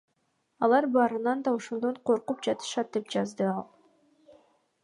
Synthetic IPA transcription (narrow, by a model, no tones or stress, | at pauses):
ɑlˠɑɾbɑːɾɯnɑnd̪ɑo̞ʃo̞nd̪o̞ɴqʰo̞ɾqupd͡ʒɑt̪ɯ̥ʃɑt̪̚d̪e̞pd͡ʒɑzd̪ɯɑlˠ